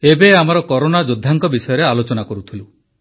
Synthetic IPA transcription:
ebeamaɾɔkɔɾonad͡ʒod̪ʱːaŋkɔbisɔjɔɾealot͡ʃɔnakɔɾut̪ʰilu

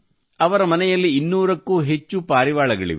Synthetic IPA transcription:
ɐʋɐɾɐmɐnɛjɐlːiːnːuːɾɐkːuːɦet͡ʃːupaːɾiʋaːɭɐɡɐɭḭʋe

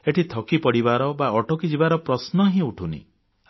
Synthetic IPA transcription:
eʈʰit̪ʰɔkipɔɽibaɾɔbaɔʈokid͡ʒibaɾɔpɾɔsnɔɦĩuʈʰunḭ

